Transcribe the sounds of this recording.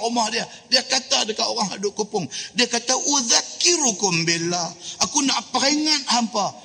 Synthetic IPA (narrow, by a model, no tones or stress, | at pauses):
umahdia | diakat̪adəkaoɾaŋɦadʊʔkopʊŋdiakat̪aʔuðakiɾukɔmbelaakunaʔpəɾeŋat̪̚hampa